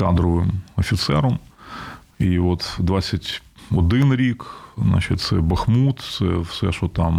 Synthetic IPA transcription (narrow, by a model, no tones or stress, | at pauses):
kad̪ɾɔʋɪmɔfʲit̪sɛ̰ɾɔm | iʋot̪d̪ʋat͡sʲːɐtʲɔd̪ɪnɾʲik̪na̰t͡ʃɪt̚ʲt̪sɛbɐxmut̪sɛfsɛʃɔt̪am